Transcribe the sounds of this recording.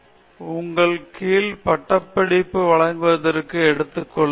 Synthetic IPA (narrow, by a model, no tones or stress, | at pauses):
ʊŋɡɐɭkiːlpɐʈːɐpːɐɽɪpːɯʋɐɭɐŋɡɯʋɐðɐɾkːɯɛɽɯt̪ːɯkːɔɭː